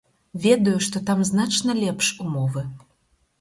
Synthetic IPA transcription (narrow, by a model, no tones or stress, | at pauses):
vʲed̪ɔjuʂt̪ɔt̪ɑmznɑt͡ʃnɐlʲɛpʂumovɨ